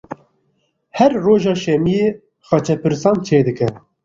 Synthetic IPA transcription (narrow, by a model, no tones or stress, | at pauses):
hɛɾːoːʒɑːʃɛmijeː | xɑt͡ʃʰɛpʰɨɾsɑːnt͡ʃʰeːd̪ɨkɛ